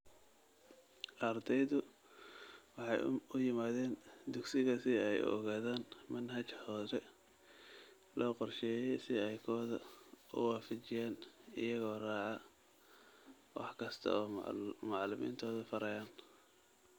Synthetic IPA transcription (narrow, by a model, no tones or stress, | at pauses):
ʔɐrd̪ʰɛjðʊ | wɑħɑjʊjɪmaːðɛːnd̪ʊɡsɪɣɐsɪɛjɔ̰ɣaːðaːnmɐnɦɐt͡ʃhɔːɾɛ | lɔːqɔrʃɛːjɛjsɪɛjkʰɔːðɐ̰ʊ̰waːfɐt͡ʃɪjaːnɪ̰jɐɣɔːrɑːʕɑ | wɑ̰ħkʰɐst̪ʰɐ̰ɔːmɑʕlʊmḭːnt̪ʰɔːðɐfɐɾɐjaːn